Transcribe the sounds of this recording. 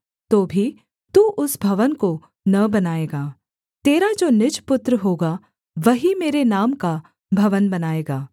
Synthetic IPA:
t̪oːbʱi | t̪uːʔʊsbʱɐʋənko | nɐbɐnaːeːɡaː | t̪eːɾad͡ʒoːnɪd͡ʒpʊt̪ɾəɦoːɡa | ʋɐɦimeːɾenaːmka | bʱɐʋənbɐnaːeːɡaː

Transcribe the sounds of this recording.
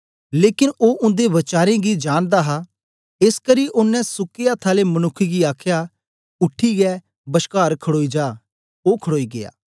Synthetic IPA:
leːkɪnoːʔʊ̃nd̪eʋɐt͡ʃaːɾẽɡid͡ʒaːɽ̃d̪aːɦa | ɪskəɾiʔʊnːɛ̃sʊkejat̪ʰaːlemɐnʊkʰːiɡiaːkʰja | ʊʈʰːiɡɛː | bəʃkaːɾkʰəɽoːid͡ʒaː | oːkʰəɽoːiɡɪja̰ː

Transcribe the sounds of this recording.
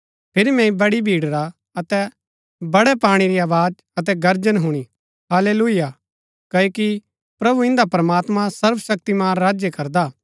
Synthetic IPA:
pʰɪɾimɛ̃ĩbɐɽibʱiːɽɾa | ɐt̪ɛ | bɐɽɛpaːɽ̃iɾiaːʋaːd͡ʒ | ɐt̪̬ɛɡɐɾd͡ʒənɦʊɽ̃i | ɦaːleːluija | kɐoːki | pɾɐbuɪ̃nd̪apɾɐmaːt̪mãsɐɾfsɐk̚t̪imaːnːaːd͡ʒjekɐɾd̪aː

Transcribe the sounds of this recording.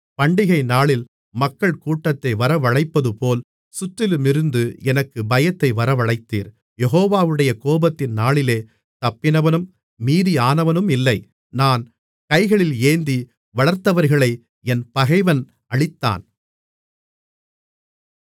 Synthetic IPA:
pɐɳɖɪɣɐɪnaːɭɪl | mɐkːɐɭkuːʈːɐt̪ːɐɪʋɐɾɐʋɐɻɐɪpːɐðɯpoːl | sʊt̪ːɪlɯmɪɾɯnd̪ɯɛnɐkːɯbɐjɐt̪ːɐɪʋɐɾɐʋɐɭɐɪt̪ːḭːɾ | jɛɣoːʋaːʋɯɽɐjɐkoːbɐt̪ːɪnnaːɭɪleː | t̪ɐpːɪnɐʋɐnɯmː | iːðiaːnɐʋɐnɯmɪlːɐɪ | naːn | kɐɪɣɐɭɪleːnd̪i | ʋɐɭɐɾt̪ːɐʋɐɾɣɐɭɐɪ | ɛnpɐɣɐɪʋɐn | ɐɭɪt̪ːa̰ːn

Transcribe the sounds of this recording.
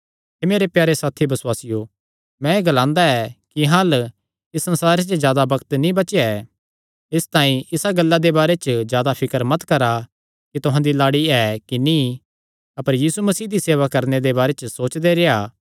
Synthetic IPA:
emeːɾepjaːɾesaːt̪ʰibɐsʊwaːsɪjo | mɛ̃eɡɐlãːnd̪aɛkiɦãːl | ɪsːɐ̃nsaːɾet͡ʃəzjaːd̪abɐkt̪nĩbɐt͡ʃeɛ | ɪst̪ãːĩʔɪsaɡɐlːad̪ebaːɾet͡ʃzjaːd̪apʰɪkəɾmɐt̪kɐɾa | kit̪ʊɦãːd̪ilaːɽiɛkinĩ | ɐpəɾjiːsumɐsiːd̪iseːʋakɐɾned̪ebaːɾet͡ʃəsoːt͡ʃd̪eɾeaː

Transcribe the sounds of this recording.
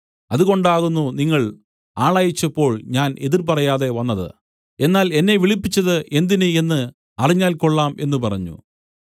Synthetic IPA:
ɐðuɣo̞ɳɖaːɣunːuniŋːɐɭ | aːɭaːjit͡ɕːɐpːo̞ːɭɲaːnʔeðirp̬ɐrɐjaːðe̞ʋɐnːɐðɨ̰ | e̞nːaːle̞nːe̞ʋiɭipːit͡ɕːɐðɨʔe̞nd̪inɨe̞nːɨ | ɐriɲːaːlkoɭːaːme̞nːupɐrɐɲːṵ

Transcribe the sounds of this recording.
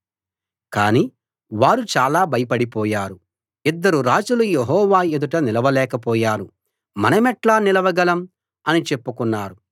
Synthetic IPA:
kaːniː | ʋaːɾut͡ʃaːlaːbʱɐjɐpɐɽipɔːjaːɾu | id̪ːɐɾuɾaːd͡ʒulujeɦɔːʋaːed̪uʈɐnilɐʋɐlɛːkɐpɔːjaːɾu | mɐnɐmɛʈlaːnilɐʋɐɡɐlɐm | ɐnit͡ʃe̞pːukunːaːɾu

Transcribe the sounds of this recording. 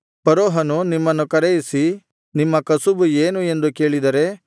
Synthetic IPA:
pɐɾoːɦɐnunimːɐnːukɐɾɛjisi | nimːɐkɐsubueːnue̞nd̪uke̞ːɭid̪ɐɾe̞

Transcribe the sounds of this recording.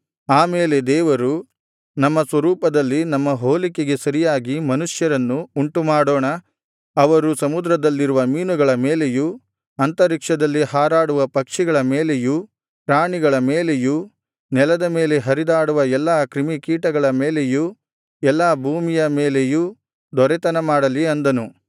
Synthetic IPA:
aːmeːle̞d̪ɛːʋɐɾu | nɐmːɐsʋɐɾuːpɐd̪ɐlːinɐmːɐɦoːlikeɡe̞sɐɾijaːɡimɐnuʂjɐɾɐnːuuɳʈumaːɽoːɳɐ | ɐʋɐɾusɐmud̪ɾɐd̪ɐlːiɾuʋɐmiːnuɡɐɭɐmeːle̞ju | ɐnt̪ɐɾikʂɐd̪ɐlːihaːɾaːɽuʋɐpɐkʂiɡɐɭɐmeːle̞ju | pɾaːɳiɡɐɭɐmeːle̞ju | nɛlɐd̪ɐme̞ːle̞ɦɐɾid̪aːɽuʋɐɛlːaːkɾimikiːʈɐɡɐɭɐmeːleju | ɛlːaːbʱuːmijɐmeːleju | d̪ɔɾɛt̪ɐnɐmaːɽɐliɐnd̪ɐnu

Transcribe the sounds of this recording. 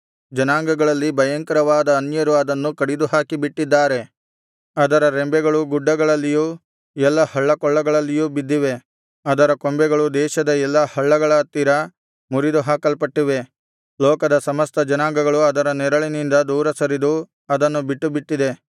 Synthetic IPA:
d͡ʒɐnaːŋɡɐɡɐɭɐlːibʱɐjɐŋkɐɾɐʋaːd̪ɐːnjɐɾuɐd̪ɐnːukɐɽid̪uɦaːkibiʈːid̪ːaːɾe̞ | ɐd̪ɐɾɐɾembɛɡɐɭuɡuɖːɐɡɐɭɐlːijuː | ɛlːɐhɐɭːɐkɔɭːɐɡɐɭɐlːijuːbid̪ːiʋe̞ | ɐd̪ɐɾɐkombɛɡɐɭud̪ɛːʃɐd̪ɐɛlːɐhɐɭːɐɡɐɭɐt̪ːiɾɐ | muɾid̪uɦaːkɐlpɐʈːiʋe̞ | lɔːkɐd̪ɐsɐmɐst̪ɐd͡ʒɐnaːŋɡɐɡɐɭuɐd̪ɐɾɐnɛɾɐɭinind̪ɐd̪uːɾɐsɐɾid̪u | ɐd̪ɐnːubiʈːubiʈːid̪e̞

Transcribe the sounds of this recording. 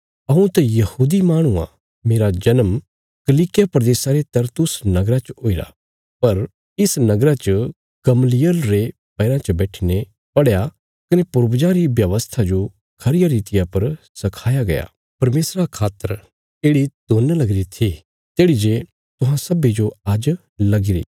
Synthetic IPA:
ɐũt̪ɛjɐhuːd̪imaːɽ̃ũã̰ | meːɾad͡ʒɐnəm | kɐliːkɪjapɾɐd̪eːsaɾet̪ɐɾt̪ʊsnɐɡɾat͡ʃoːiɾa̰ | pɐɾ | ɪsnɐɡɾat͡ʃə | ɡ̥ɐmlɪjəlɾe | pɐːɾãt͡ʃɐbɛːʈʰine | pɐɽja | kɐnepʊɾbd͡ʒaɾiʋjɐʋəst̪ʰad͡ʒo | kʰɐɾɪjaɾiːt̪ɪjapɐɾ | sɐkʰaːjaɡɐja̰ː | pɐɾmeːsɾakʰaːt̪ːəɾ | eːɽid̪̥oːnlɐɡɾit̪ʰi | t̪eːɽid͡ʒe | t̪ʊɦãsɐbed͡ʒoaːd͡ʒ | lɐɡɪɾḭː

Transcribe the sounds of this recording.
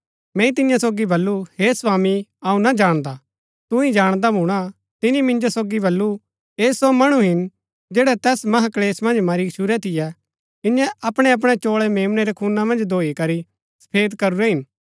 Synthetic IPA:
mɛ̃ːĩt̪ɪjãsoːɡibɐlːuheːsʋaːmiɐũnad͡ʒaːɽ̃d̪aː | t̪ʊ̃ĩd͡ʒaːɽ̃d̪abʱũɽ̃a | t̪ɪnĩmɪ̃nd͡ʒosoːɡibɐlːu | eːsomɐɽ̃uɦɪn | d͡ʒeːɽɛt̪ɛːsmɐɦakleːsmɐ̃nd͡ʒmɐɾiʃʰʊɾɛt̪ʰɪjɛ | t̪ɪnjɛ̃ʔɐpɽ̃ɛɐp̬ɽ̃ɛt͡ʃoːɭɛmeːmnɛɾɛkʰuːnamɐ̃nd͡ʒd̪ʱoːikɐɾi | sɐ̥pʰeːd̪kɐɾuɾɛɦɪn

